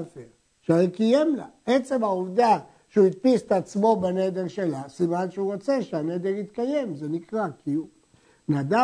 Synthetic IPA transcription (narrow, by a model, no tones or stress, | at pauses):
afe | ʃaekijemla̰et͡se̞maovd̪a | ʃeuit̪̚pist̪ːt͡smo̞bened̪eʁʃelasimanʃeuʁot͡seʃeaned̪eʁit̪kaje̞mzenikʁakiu | nad̪a